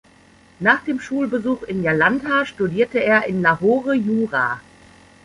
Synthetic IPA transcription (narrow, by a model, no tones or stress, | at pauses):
naːχd̥eːmʃuːlbəzuːxɪnjalantʰaːʃtudiːɐtəeːɐʔɪnlahoːʁəjuːʁa̰ː